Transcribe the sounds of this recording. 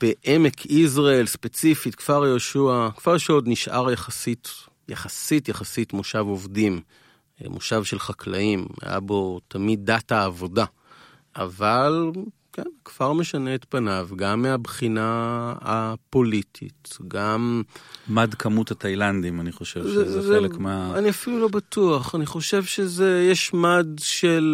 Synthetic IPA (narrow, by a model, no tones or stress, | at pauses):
b̥eʔemekʰiz̬ʁaelspet͡sifitkv̥aʁjoʃuakv̥aʁʃeo̞d̪niʃʔa̰ʁjaχasit | jaχasitjaχasitmoʃavo̞vdim | mʔoʃavʃelχakla̰ima̰ja̰bo̞t̪amid̪̚ːataːvoda | ʔavalkenkv̥aʁmeʃaneːtpanavɡamːeabχinaapo̞litʰḭtɡammadkʰɐmuthatajland̪imaniχoʃevzezelekmeaaniafilulo̞batuaχaniχo̞ʃe̞vʃezejeʃmadʃel